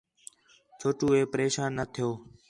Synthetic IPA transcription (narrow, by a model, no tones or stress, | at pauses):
t͡ʃʰoːʈuːeːpəɾeːʃaːnːət̪ʰɪjoː